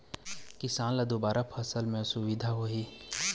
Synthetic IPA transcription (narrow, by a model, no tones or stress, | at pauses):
kɪsãːnlad̪obaːɾapʰəsəlmẽsʊʋid̪ʱaɦoɦiː